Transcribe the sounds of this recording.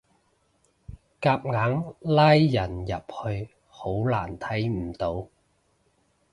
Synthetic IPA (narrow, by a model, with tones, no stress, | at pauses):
kaː˧p̚ŋaː˨˥ŋlaː˥jːɐ˨˩njɐ˨p̚hɵ˧ɥ | ho˨˥wlaː˨˩nt̪ʰɐ˨˥jm̩˨˩t̪o˨˥w